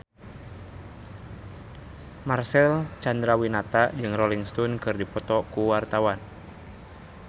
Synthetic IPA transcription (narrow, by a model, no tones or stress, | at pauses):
marsɛlt͡ʃand̪ɾawinat̪ad͡ʒɨŋrɔliŋst̪ɔnkɨrdipɔt̪ɔkuwart̪awan